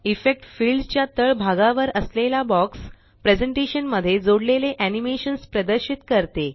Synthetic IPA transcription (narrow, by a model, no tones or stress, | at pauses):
ifek̚ʈfilɖt͡ɕjat̪əɭbʱaɡaʋəɾəslelabɔks | pɾed͡zəɳʈeɕənməd̪ʱːjed͡zoɽleleʔænimeɕənspɾəd̪əɾɕit̪kəɾt̪e